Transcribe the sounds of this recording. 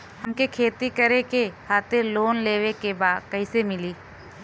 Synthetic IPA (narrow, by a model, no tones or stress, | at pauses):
həmkekʰeːt̪ikəɾekehaːt̪ʰeloːnleːʋekebaːd̪kɐɪsemɪliː